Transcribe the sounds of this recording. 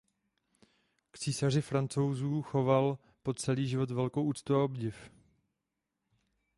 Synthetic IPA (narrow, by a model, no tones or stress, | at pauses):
kt͡siːsar̝ɪfɾant͡so̞wzuːxo̞val | po̞tt͡sɛliːʒɪvo̞t̪vɛlko̞wʔuːt͡st̪uaobɟɪf